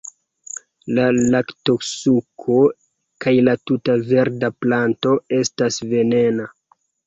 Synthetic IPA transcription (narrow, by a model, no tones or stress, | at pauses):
lalaktoksukʰo̞ | kajlatutave̞ɾdaplanto̞e̞stasve̞ne̞na